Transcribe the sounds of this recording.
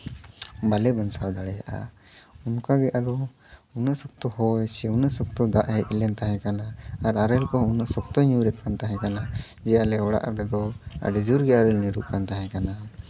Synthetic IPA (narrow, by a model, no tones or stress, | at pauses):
balɛbansawd̪aɽɛja̰ʔa̰ | unkaɡɛʔad̪ɔ | unəʔsɔk̚t̪ɔhɔjsɛwnəʔsɔk̚t̪ɔd̪aʔhɛjɛlɛnt̪aɦɛ̃kanaaɾaɾɛlkɔɦunəʔsɔk̚t̪ɔɲuwɾɛt̪̚kant̪aɦɛ̃kana | d͡ʒɛjalɛɔɽa̰ʔɾɛd̪ɔa̰ɖɛd͡ʒuɾɡɛaɾɛlnɛɽuʔkant̪aɦɛ̃kana